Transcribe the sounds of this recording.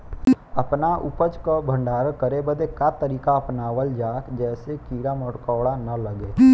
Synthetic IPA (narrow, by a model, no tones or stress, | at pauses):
ɐpnaʔʊpəd͡ʒkabʱə̃ɳɖaːɾəkəɾebəd̪ekat̪əɾiːkaɐpnaːwəld͡ʒaːkd͡ʒɛːsekiːɾaməʈkəːɽanɐləɡeː